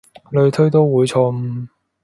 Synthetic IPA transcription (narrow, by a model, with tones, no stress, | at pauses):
lɵ˧ɥt̪ʰɵ˥ɥt̪̬o˥wwuː˨˧˥jt͡ʃʰɔ˧m̩˧